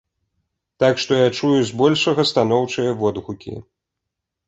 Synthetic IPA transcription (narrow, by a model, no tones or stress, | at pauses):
t̪akʂt̪ɔjat͡ʂujuzʲbɔlʲʂɐɣɐst̪anɔwt͡ʂɐjɐvɔd̪ɣukʲḭ